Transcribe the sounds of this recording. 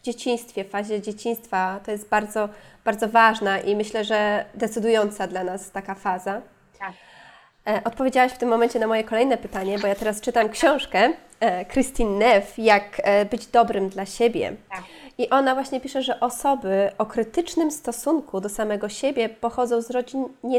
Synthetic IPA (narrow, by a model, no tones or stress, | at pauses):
vd͡ʑet͡ɕĩɲ̃st̪fʲjɛffaʑɛd͡ʑet͡ɕĩɲ̃st̪fat̪ɔjɛst̪̚baɾd̪zɔb̥aɾd̪zɔvaʐnaʔimɘɕlɛʐɛd̪ɛt̪sɘd̪ujɔnt̪sad̪lanast̪akafaza | ʔɔt̪̚pɔvʲjed͡ʑawaɕft̪ɘmːɔmɛɲt͡ɕɛnamɔjɛkɔlɛjnɛpɘt̪aɲɛbɔjat̪ɛɾast͡ʂɘt̪amkɕɔ̃w̃ʂkɛ | kɾɘst̪inːɛfjakbɘd͡ʑd̪ɔbɾɘmd̪laɕebʲjɛ̰iʔɔnavwaɕɲɛpʲiʂɛʐɛʔɔsɔbɘɔkɾɘt̪ɘt͡ʂnɘmst̪ɔsuŋkʰud̪ɔsamɛɡɔɕebʲjɛpɔxɔd̪zɔ̃w̃zɾɔd͡ʑiɲɲɛ